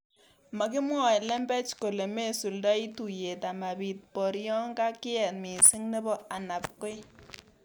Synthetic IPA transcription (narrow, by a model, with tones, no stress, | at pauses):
ma˨ki˦mwɔ˦˨jlɛ˦mbɛ˦t͡ʃko˨le˨me˦˨su˨ldɔ˦i˦tu˨je˨ta˨ma˨bi˨t̚pɔ˨ɾjɔ˦ŋɡa˦kɪ˦ɛ˨tmi˨si˦ŋnɛ˦bɔ˦a˨na˨p̚ko˦j